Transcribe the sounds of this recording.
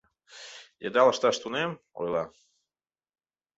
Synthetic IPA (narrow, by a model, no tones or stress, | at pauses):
jed̪ɑlˠəʃt̪ɑʃt̪unem | o̰jlˠɑ